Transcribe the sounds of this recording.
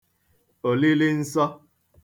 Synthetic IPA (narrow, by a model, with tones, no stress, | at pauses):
o˨li˦li˦n̩˦sɔ˦